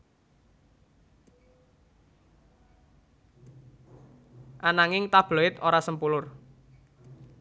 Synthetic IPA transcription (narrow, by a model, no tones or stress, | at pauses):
ʔanaŋɪŋt̪ab̥loɪt̪oɾasəmpulʊr